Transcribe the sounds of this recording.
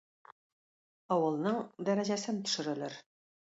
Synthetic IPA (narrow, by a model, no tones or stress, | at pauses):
ɒwɤ̆lˠnɤɴd̪æɾæʑæsɘnt̪ɵ̥̆ʃɘ̆ɾɘ̆lɘɾ